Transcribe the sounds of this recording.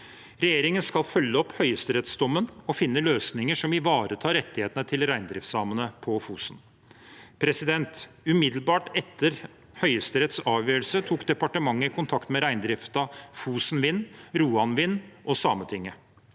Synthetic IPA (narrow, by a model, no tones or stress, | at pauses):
ɾɛjeːɾɪŋənskɑlfœlːəɔphœʏəst̪əɾɛt̪sd̪ɔmːənɔfɪnːəløːsnɪŋəʂɔmɪʋɑːɾət̪ʰɑːɾɛt̪ːɪheːt̪ənət̪ʰɪlɾæɪnd̪ɾɪft̪sɑːmənəpʰɔfuːsn | pʰɾɛsɪd̪ɛnt̪ | ʉmɪd̪lbɑːʈɛt̪ːəɾ | hœʏəst̪əɾɛt̪sɑːʋjøːɾəlsət̪ʰuːkd̪ɛpɑʈəmɑŋːəkʰʊnt̪ʰɑkt̪mɛɾæɪnd̪ɾɪft̪ɑfuːsnʋɪnːɾuːɑnʋɪnːʔɔsɑːmət̪ʰɪŋːə